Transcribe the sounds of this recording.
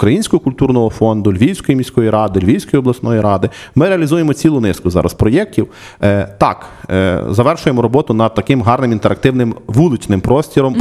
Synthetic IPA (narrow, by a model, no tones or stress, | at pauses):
ukɾɐjinʲsʲkɔɦɔkʊlʲt̪urnɔɦɔfɔnd̪ʊlʲʋʲijsʲkɔjimʲisʲkɔjiɾɑd̪ɪlʲʋʲiwsʲkɔjiɔblˠɐsnɔjiɾɑd̪ɪmɪɾeɐlʲizujemɔt͡sʲilˠʊnɪskʊzɑ̰ɾɐ̰spɾɔjɛk̚tʲiw | t̪ɑ̰kzɐʋɛrʃʊjemɔɾɔbɔt̪ʊnɐd̪̚t̪ɐkɪmɦɑrnɪmint̪eɾɐk̚t̪ɪwnɪmʋulˠɪt͡ʃnɪmpɾɔsʲtʲiɾɔm